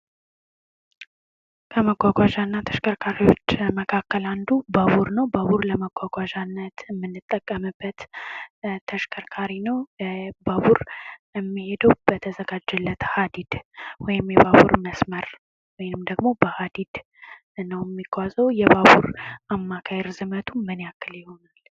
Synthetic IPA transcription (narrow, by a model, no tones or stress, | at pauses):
kʰəməɡʷaɡʷaʒanːat̪ʰə̥ʃkʰəɾkʰaɾiwo̞t͡ʃːməkʰakːəland̪ubaβuɾnəwbəβuɾləməɡʷaɡʷaʒanːət̪əmːɨnːɨt̪ʼːəkʼːəmɨbːət̪ | t̪ʰəʃkʰəɾkʰaɾinəwbaβuɾɛmːihe̞d̪əwbət̪ʰəzəɡad͡ʒːɛlːət̪had̪id̪̥wɔjɪmjɛbaβṵɾməsməɾ | wɔjnɨmd̪əɡmo̞bəhad̪id̪̥ | nəwjɛmːikʰːʷazəwjɛbaβuɾʔamːakʰajɛɾzɨmət̪ʰumɨnejakʰːɨljɪho̞nal